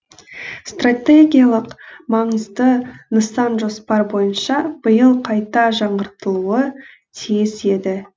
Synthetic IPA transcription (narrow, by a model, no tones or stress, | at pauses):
st̪rat̪ʲeɡʲijalˠəqmɑɴəzd̪ənəsɑnʒo̞spɑɾbo̞jənʃɑb̥əjəlˠqʰɑjt̪ɑʒɑɴɢəɾt̪əlˠuə | t̪ʰijɪse̞d̪ɪ